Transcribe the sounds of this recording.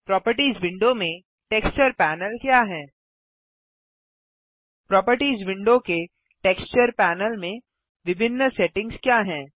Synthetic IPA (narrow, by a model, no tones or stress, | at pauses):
pɾɔːpəɾʈiːzʋɪ̃ɳɖomẽ | ʈeːkst͡ʃəɾpɛːnəlkjaːɦɛ̃ː | pɾɔːpəɾʈiːzʋɪ̃ɳɖõke | ʈeːkst͡ʃəɾpɛːnəlmẽ | ʋɪbʱɪnːəsɛʈɪ̃ŋɡskjaːɦɛ̃ː